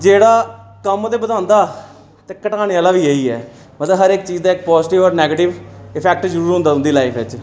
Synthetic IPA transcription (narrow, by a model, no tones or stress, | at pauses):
d͡ʒeːɽaːkəmd̪eːbəd̪ãːnd̪aː | t̪eːkəʈaːneaːlaːʋiːeːiːɛ̰ː | mət̪ləbɦəɾɪk̚t͡ʃiːd͡ʒd̪aːɪkpɔːzʈɪʋɔːɾnɛːɡəʈɪʋɪpʰɛːk̚ʈzəɾuːɾɦʊ̃nd̪aːʊ̃nd̪iːlaːipʰɪt͡ʃ